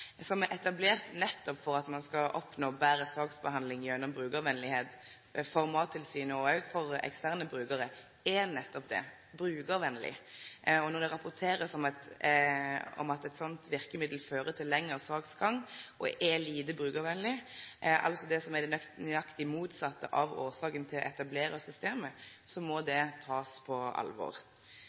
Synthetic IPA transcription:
sɔmɛʔɛt̪ɑbleːʁt̪nɛt̪ːɔpfɔɾɑt̪mɑnskɑʔɔpnoːbæːɾəsɑːɡsbəhɑnd̪lɪŋjœnːɔmbʁʉːɡəʋɛnlɪheːt̪ | fɔɾmɑːt̪ʰːɪlsyːnəɔfɔɾɛ̰kst̪æːʁnəbɾʉːɡəɾə | ɛnɛt̪ːɔpd̪ɛ̰ | bɾʉːɡəɾʋɛnlɪ̰ɔnɔd̪ɛɾɑpʊt̪ʰeːɾəsɔmɑt̪ | ɔ̰mɑt̪ɛt̪sɔnt̪ʋɪɾkəmɪd̪l̩føːɾət̪ʰɪlːɛŋːəʁsɑːɡsɡɑŋʔɔ̰ʔɛliːd̪əbɾʉːɡəɾʋɛnlɪʔɑ̰lt̪sɔd̪ɛsɔmɛd̪ɛnnɑkt̪ɪmuːt̪sɑt̪ːə̰ʔɑʋoːʁsɑːkənt̪ʰɪlɔ̰ʔɛt̪ɑbleːɾəsʏst̪eːmə | sɔmɔd̪ɛt̪ʰɑːspʰɔɑ̰lʋɔ̰ʁ

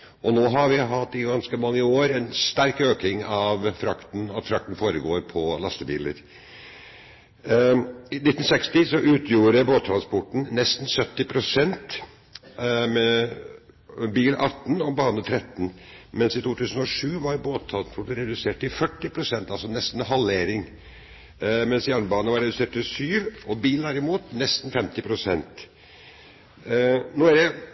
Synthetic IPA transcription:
ʔɔnoːɦɑɾʋɪɦɑt̪ːɪɡɑnskəmɑŋːəoːɾɛnst̪æɾkøːkɪŋɑʋfɾɑkt̪n̩ɑt̪fɾɑkt̪n̩foːɾəɡoːɾpʰɔlɑst̪əbḭːlə̰ɾ | ɪnɪt̪ːn̩sɛkst̪ɪsɔʔʉːt̪ʰjuːɾəboːt̪ʰːɾɑnspɔʈɳ̩nɛst̪n̩sœt̪ːɪpʰɾʊsɛnt̪ | mɛ | biːlʔɑt̪ːn̩ɔbɑːnət̪ʰɾɛt̪ːn̩mɛnsɪt̪ʰuːt̪ʰʉːsən̩ɔʂʉːʋɑɾboːt̪ʰːɾɑnspʰɔʈ̪ɾɛd̪ʉseːʈt̪ɪfœʈːɪpʰɾʊsɛnt̪ɑlsɔnɛst̪n̩ɦɑlːeːɾɪŋ | mɛnsjæːɳəbɑːnəʋɑɾɛd̪ʉseːʈ̚t̪ɪlsyːʋɔbiːln̩æɾɪmuːt̪nɛst̪n̩fɛmt̪ɪpʰɾʊsɛnt̪ | noːæɖɛ

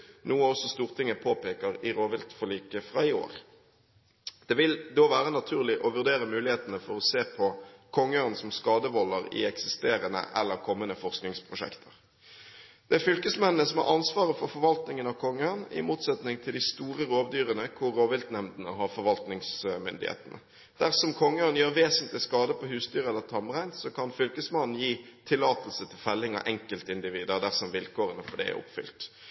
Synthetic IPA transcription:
nuːəɔsɔst̪uːʁt̪ʰɪŋːəpʰoːpeːkəʁɪɾoːʋɪlt̪fɔliːkəfɾʁɑɪo̰ːɾ | d̪̥ɛʋɪld̪oːʋæːɾənɑt̪ʰʉːʁlɪʔɔʋʉʁd̪eːɾəmʉːlɪheːt̪ənəfɔɾɔseːpʰɔkʰɔŋːəœnsɔmskɑːd̪əʋɔlːəʁɪ̰ɛksɪst̪eːɾənə̰ʔɛ̰lːəʁkʰɔmːənəfɔʁsknɪŋspʰʁʊʂɛ̰kt̪ʰə̥ʁ | d̪̥ɛæɾfʏlkəsmɛnːnəsɔmhɑ̰ɾɑnsʋɑːʁəfɔɾfɔɾʋɑlt̪nɪŋənɑʋkʰɔŋːəənɪ̰muːt̪sɛt̪nɪŋt̪ʰɪld̪ɪst̪uːɾəɾoːʋd̪yːɾənəkʰʊɾːoːʋɪlt̪nɛmd̪nəɦɑɾfɔɾʋɑlt̪nɪŋsmʏ̰nd̪ɪ̰hḛːt̪ənə̰ | d̪̥æʁsɔmkʰɔŋːəənjøːɾʋeːsənt̪lɪskɑːd̪əpʰɔhʉːsd̪yːʁɛlːəɾt̪ʰɑmʁæɪnsɔkʰɑnfʏlkəsmɑnːn̩jiːt̪ʰɪlːɑːt̪əl̩sət̪ʰɪlfɛlːɪŋɑ̰ʔɛŋkəlt̪ɪnd̪ɪʋiːd̪əʁd̪æʁsɔmʋɪlkʰoːʁənəfɔɖɛ̰æ̰ɔ̰pfʏ̰lt̪

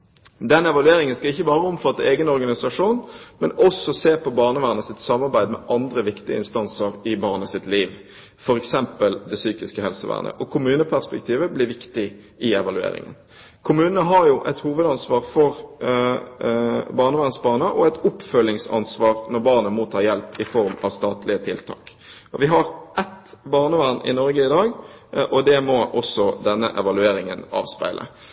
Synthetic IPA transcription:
d̪ɛnɛʋɑlʉeːɾɪŋənskɑɪçːəbɑːɾəɔmfɑt̪ːəeːɡənɔɾɡɑnɪsɑʂuːnmɛnɔsɔseːpɔbɑːʁnəʋæːʁnəsɪt̪sɑmːɑɾbæɪd̪mɛ̰ʔɑnd̪ɾəʋɪkt̪ɪə̰ɪ̰nst̪ɑnsəɾɪbɑːʁnəsɪt̪liːʋ | fɔɾɛksɛmpəld̪ɛsyːkɪskəhɛlsəʋæ̰ːʁnə̰ʔɔkʰʊmʉːnəpʰæʁspɛk̚t̪ʰiːʋəblɪʋɪkt̪ɪ | ɪɛʋɑlʉḛːɾɪ̰ŋə̰n | kʰʊmʉːnənəɦɑɾjʊʔɛt̪huːʋəd̪ɑnsʋɑːʁfɔɾ | bɑːʁnəʋæʁnsbɑːnəʔɔɛt̪ʊpfœlːɪŋsɑ̰nsʋɑːʁnɔɾbɑːʁnəmoːt̪ʰɑːjɛlpɪfɔɾmɑ̰ʋst̪ɑːt̪lɪət̪ʰɪlt̪ʰɑ̰ːk | ɔʋɪɦɑɾʔɛt̪bɑːʁnəʋæʁnʔɪ̰nɔɾɡəɪd̪ɑːɡ | ʔɔd̪ɛmɔʔɔsːɔd̪ɛnːə̰ʔɛʋɑlʉeːɾɪŋənɑ̰ːʋspæ̰ɪlʔə̰

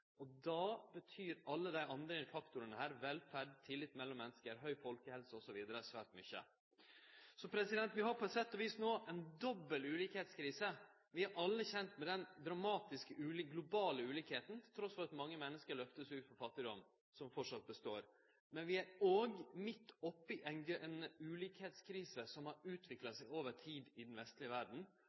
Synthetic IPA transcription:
ɔd̪ɑbət̪ʰyːɾɑlːəd̪æɪʔɑnd̪ɾɪfɑkt̪ʊɾənəhæːɾʋɛlfæɖt̪ʰɪlːɪt̪ːmɛlːɔmːɛnːəskəɾɦœʏfɔlkəhɛlsəɔsɔʋiːd̪əɾəsʋæːʈmʏçə̰ | sɔpʰɾɛsɪd̪ɛnt̪ʋɪɦɑɾpʰɔɛt̪sɛt̪ːɔʋiːsnoːʔɛnd̪ɔbːəlʉːliːkheːt̪skʰɾiːsə | ʋɪæɾʔɑlːəçɛnt̪mɛd̪ɛnd̪ɾɑmɑːt̪ɪskəʔʉːliɡlʊbɑːləʉːliːkheːt̪n̩t̪ʰɪlt̪ʰɾɔsfɔɾɑt̪mɑŋːəmɛnːəskəɾɭœft̪əsʉːt̪fɔɾfɑt̪ːɪd̪ɔm | sɔmfɔʈʂɑt̪̚bəst̪o̰ːɾ | mɛnʋɪæɾoːɡmɪt̪ːɔpːɪʔɛnɛnʉːliːkheːt̪skʰɾiːsəsɔmhɑɾʉːt̪ʰʋɪklɑsæɪoːʋəʈʰiːd̪ɪd̪n̩ʋɛst̪lɪəʋæɖɳ̩

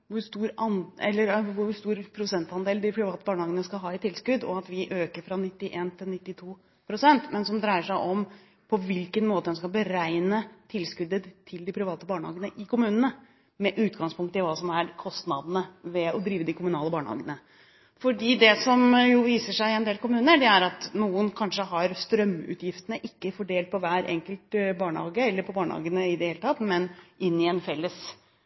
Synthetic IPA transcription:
ʋʊɾst̪uːɾɑnɛ̰lːəɾʋʊɾst̪uːɾpʰɾʊsɛnt̪ɑnd̪eːld̪ɪpʰɾɪʋɑːt̪əbɑːɳəhɑːɡənəskɑlɦɑːɪt̪ʰɪlskʉd̪ɔ̰ɑt̪ʋɪʔøːkəɾfɾɑnɪt̪ːɪʔeːnt̪ʰɪlnɪt̪ːɪt̪ʰuː | pʰɾʊsɛnt̪mɛnsɔmd̪ɾæɪəʂæɪʔɔm | pʰɔʋɪlkənmoːt̪əd̪ɛnskɑbəɾæɪnət̪ʰɪlskʉd̪ət̪ʰɪld̪ɪpʰɾɪʋɑːt̪əbɑːɳəhɑ̰ːɡənəʔɪkʰʊmʉːnənə | mɛʔʉːt̪ɡɑŋspʰʊŋk̚t̪ɪlʋɑːsɔmæɾkʰɔst̪nɑd̪ənəʋɛɔd̪ɾiːʋəd̪ɪkʰʊmʉnɑːləbɑːɳəhɑ̰ːɡənə | fɔɖiːd̪ɛsɔmjʊʋiːsəʂæɪɛnd̪eːlkʊmʉːnəɖɛæɾɑt̪nuːənkʰɑnʂəɦɑɾst̪ɾœmːʉ̰ːt̪jɪft̪ənəʔɪkːəfɔɖeːlt̪̚pʰɔʋæːɾʔɛ̰ŋkəlt̪bɑːɳəhɑ̰ːɡəɛlːəɾpʰɔbɑːɳəhɑ̰ːɡənəɪd̪ɛheːlət̪ʰɑt̪mɛnʔɪnːɪɛnfɛlːəs

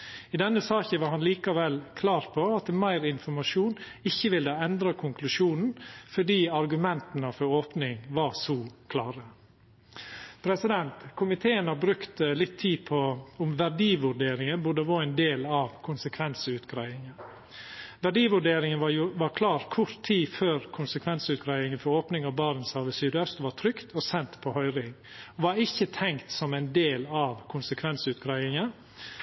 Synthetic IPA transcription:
ɪd̪ɛnːəsɑːçəʋɑɾhɑnliːkɑʋɛlːkʰlɑːɾpʰɔɑt̪mæɪɾɪnfɔɾmɑʂuːn | ɪçːəʋɪld̪ɑɛnd̪ɾɑkʰʊŋkʰlʉʂuːnn̩fɔɖiːɑɾɡʉmɛnt̪ənəfɔɾoːpnɪŋʋɑsɔːkʰlɑːɾə | pʰɾɛsɪd̪ɛnt̪kʰʊmɪt̪ʰeːənɑbɾʉkt̪lɪt̪ʰːiːpʰɔʊmʋæɖiːʋʉɾɖeːɾɪŋənbʊd̪əʋoɛnd̪eːlɑʋkʰʊnsəkʰʋɛnsəʉːt̪ɡɾæɪɪŋə | ʋæɖiːʋʉɖeːɾɪŋənɑʋɑːɾkʰlɑːɾkʰʊɾt̪ʰiːføːɾkʰʊnsəkʰʋɛnsəʉːt̪ɡɾæɪɪŋənfɔɾoːpnɪŋɑbɑɾən̩sɑʋəsyːd̪œst̪ʋɑːt̪ʰɾʏkt̪ʰɔsɛnt̪pʰɔhœʏɾɪŋ | ɔʋɑɾɪçːət̪ʰɛŋkt̪sɔmæɪnd̪eːlɑʋkʰʊnsəkʰʋɛnsəʉːt̪ɡɾæɪɪŋə

